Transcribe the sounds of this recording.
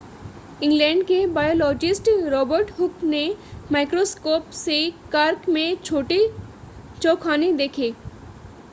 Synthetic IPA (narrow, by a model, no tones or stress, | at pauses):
ɪ̃ŋɡlẽɳɖkebajolɔd͡ʒɪsʈɾɔbəɾʈɦʊknemajkɾoskoːpsekaɾkmẽt͡ʃʰoːʈi | t͡ʃokʰanid̪ekʰe